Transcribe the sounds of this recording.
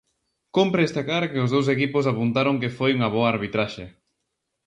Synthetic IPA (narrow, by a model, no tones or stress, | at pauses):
kompɾest̪akaɾkɪʊzðows̬ekipʊsapunt̪aɾoŋkefojuŋɐβɔɐːɾβit̪ɾaʃe